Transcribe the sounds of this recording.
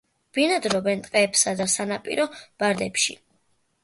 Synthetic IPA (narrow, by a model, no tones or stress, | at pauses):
b̥inad̪ɾɔbɛnt̪ʼqʼɛːpsad̪asanapʼḭɾɔb̥aɾd̪ɛpʃḭ